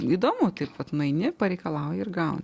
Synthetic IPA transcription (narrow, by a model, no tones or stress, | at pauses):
iːd̪oːmʊt̪ɐɪpʋɐt̪nʊɐɪnʲɪpɐɾʲɛɪkɐlˠɑʊjɛɪɾɡɐʊn